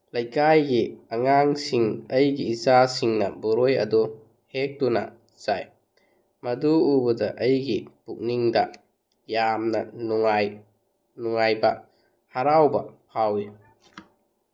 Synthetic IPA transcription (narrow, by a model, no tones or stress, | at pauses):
lɐjkajɡiɐŋaŋsiŋɐjɡiːzasiŋnɐbɔɾojɐ̰du | hek̚dunɐ̰ | z̥a̰j | mɐduːbɐdɐʔɐjɡipuk̚niŋdɐ | jamnɐnuŋaj | nuŋajbɐ | haɾawbɐpʰawi